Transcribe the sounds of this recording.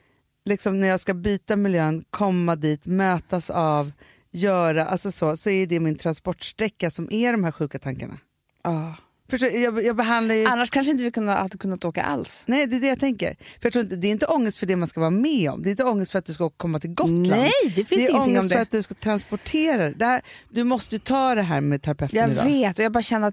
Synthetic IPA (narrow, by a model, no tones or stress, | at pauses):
lɪksɔmnæɾjɑːɡskabyːt̪amɪljøːnkʰɔmːad̪iːt̪møːt̪asav | jœːɾaʔalsɔsoːsɔæjɵd̪ɛmɪnt̪ʰɾanspɔʈːʂt̪ɾɛkːasɔmʔæɖɔmɦæːɾɧʉ̟ːkat̪ʰaŋka̰ɳa̰ | ɑː | fœʂʈojɑːɡjɑːɡbɛɦand̪laɾjəanːaʂkʰanʂ̬ɪnt̪əvɪkʰɵnːaad̪kʰɵnːat̪oːka̰ʔa̰lsnɛjd̪ɛɛd̪ɛjat̪ʰɛŋkə̰ɾfœɾjɑk̪t̪ʰɾuːɾɪnt̪d̪ɛːɾɪnt̪əɔŋːəst̪fœɖɛmanskavɑːɾamɛːɔ̰md̪ɛɪɪnt̪əɔŋːəst̪fœɾat̪̚d̪ɵskaoːkkʰɔmːat̪ʰɪlɡɔt̪ːlaɛjd̪ɛfɪnd̪ɛːɔŋːəsfœɾat̪̚d̪ɵskat̪ʰɾanspɔʈʰeːɾad̪ɛd̪ɛhæːɾd̪ɵmɔst̪əjɵt̪ʰɑːd̪ɛɦæːɾmɛːd̪̚t̪ʰaɾapʰɛft̪ɑːnɪd̪ɑ̰veːt̪ɔjɑɡbɑːɾaɕɛnːəɾat̪